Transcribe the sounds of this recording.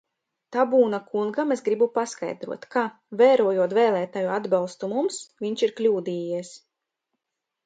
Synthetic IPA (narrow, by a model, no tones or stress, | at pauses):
t̪abuːnakuŋɡamesɡɾibupaska̰jd̪ɾṵɔt̪ka | vɛːɾuɔjuɔt̪vɛːlˠɛːt̪ajuad̪balˠst̪umumsvʲiɲt͡ʃiɾklʲuːd̪iːjiɛs